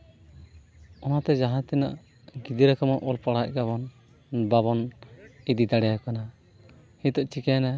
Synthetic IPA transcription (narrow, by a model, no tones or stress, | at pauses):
ɔnat̪ɛd͡ʒaɦãt̪ɛna̰ʔ | ɡid̪iɾakamɔʔɔlpaɽac̚ɡaβɔn | baβɔnid̪id̪aɽɛjakana | hid̪ɔʔt͡ʃikana